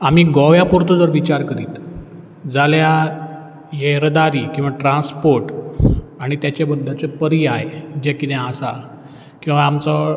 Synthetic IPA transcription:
am̤iːɡɔʋjapoɾt̪od͡zəɾʋit͡ɕaɾkəɾiːt̪ | d͡zalja | jeɾəd̪aɾiːkĩw̃ʋaʈɾãnspoɾʈ | aɽ̃it̪jat͡ɕabəd̪ʱːat͡sepəɾiaed͡ʑekit̪ɛ̃asa | kĩw̃ʋaːmt͡sə

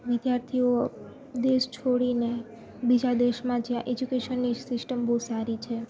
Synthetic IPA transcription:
ʋɪd̪jaɾt̪ʰio | d̪eʃt͡ʃʰoɽine | bid͡ʒad̪eʃmãd͡ʒjãʔed͡ʒukeʃənːisɪsʈəmbousaɾit͡ʃʰe

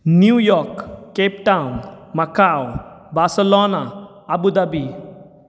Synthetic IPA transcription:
njujɔɾkːepʈaunmakawbaɾselɔnaː | bud̪abi

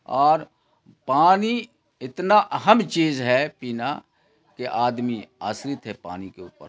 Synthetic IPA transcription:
ɔːɾ | paːni | ɪt̪naʔəɦəmt͡ʃiːzɦɛpiːna | keʔaːd̪mia̰ːsɾɪt̪ɦɛpa̰ːnikeṵːpə̰ɾ

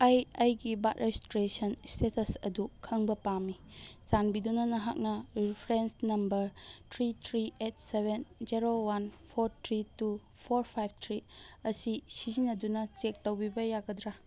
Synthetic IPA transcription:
ajajɡibatɾestɾesɐnstetʰɐsɐ̰dukʰɐŋbɐpami | sanbidunɐnɐɦak̚nɐɾipʰɾensnɐmbɐɾtʰɾitʰɾiet̚ʰsebenzeɾowanpʰoɾtʰɾitu | pʰoɾpʰajb̚ʰtʰɾiɐsisizinɐdunɐt͡ʃek̚tɐwbibɐjaɡɐdɾa

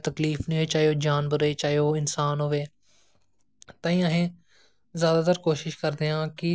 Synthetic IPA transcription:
t̪əkliːfnẽeːt͡ʃaːjoːd͡ʒaːnbəɾeːt͡ʃaːijoːɪnsaːnɦoːʋeː | t̪ãːĩːəɦẽː | zjaːd̪aːt̪əɾkoːʃɪʃkəɾd̪eːãːkɪ

